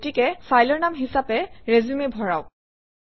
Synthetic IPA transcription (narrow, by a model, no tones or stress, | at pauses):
tikɛfajlɔɹnamɦisapɛɹezumebʱɔɹaʊ